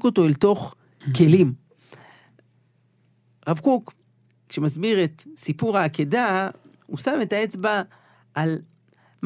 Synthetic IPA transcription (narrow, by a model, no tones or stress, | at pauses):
ko̞to̞elto̞χ | ke̞lim | ʁavkuk | ʃemazbiʁet̪sipuʁaːkeda | usame̞taet͡sba | ʔːl | m